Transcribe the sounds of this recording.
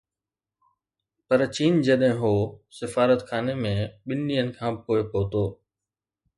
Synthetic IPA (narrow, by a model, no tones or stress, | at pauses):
pɐɾt͡ɕiːnd͡ʑɐɗɦɪ̃ɦoːsɪfaːɾət̪kʰaːnemẽɓɪnɗijənɪ̆kʰãːpoːɪpoːt̪oː